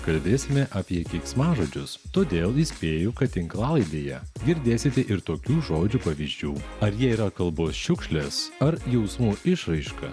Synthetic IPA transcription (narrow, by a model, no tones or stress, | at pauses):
kɐlʲbʲeːsʲɪmʲɛʔɐpʲiɛkʲɛɪksmɑːʒoːd͡ʒʲʊst̪oːd̪ʲeːlˠɪsʲpʲeːjʊkɐt̪ʲɪŋklˠɑːlˠɐɪd̪ʲeːjɛɡʲɪɾʲd̪ʲeːsʲɪt̪ʲɛʔɪɾt̪oːkʲuːʒoːd͡ʒʲuːpɐʋʲiːzʲd͡ʒʲuːɐɾjiɛiːɾɐkɐlˠboːsʃʲʊkʃʲlʲesɐɾjɛʊsmuːɪʃɾɐɪʃkɐ̰